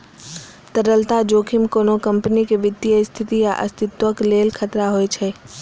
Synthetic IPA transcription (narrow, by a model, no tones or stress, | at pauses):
t̪əɾəlt̪ad͡ʒoːkʰɪmkoːnokɐmpnikeʋɪd̪jəst̪ʰɪt̪ijaʔɐ̰st̪ɪt̪wəkleːlkʰɐt̪ɾaɦoet͡ʃʰɛ